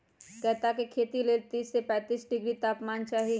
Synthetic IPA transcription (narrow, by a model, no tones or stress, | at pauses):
kɛɦt̪akekʰeːt̪ileːlt̪iːsːepɛ̃ːt̪iːsɖɪɡɾit̪aːpmaːnt͡ʃaːɦi